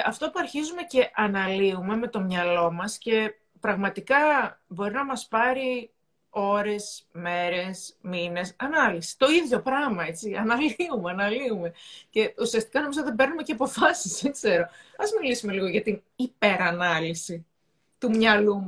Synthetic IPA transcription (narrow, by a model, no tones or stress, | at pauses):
ɐft̪o̞puɐɾçizume̞ce̞ʔɐnɐliume̞me̞t̪o̞mɲɐlo̞mɐsce̞ | pɾɐɣmɐt̪ikɐbo̞ɾinɐmɐspɐɾi | o̞ɾe̞sme̞ɾe̞smine̞sɐnɐlisi̥t̪o̞iðʝo̞pɾɐɣmɐe̞t͡siɐnɐliumeɐnɐliume̞ce̞usiɐst̪ikɐno̞mizoðebe̞ɾnume̞ceɐpo̞fɐsisðeɡz̥e̞ɾo̞ɐzmilisume̞liɣo̞ʝɐt̪in | ipe̞ɾɐnɐlisi | t̪umɲɐlum